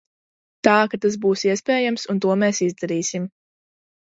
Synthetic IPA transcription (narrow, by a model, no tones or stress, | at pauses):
t̪aːkat̪as̬buːsiɛspɛːjamsunt̪uɔmɛːsizd̪aɾiːsim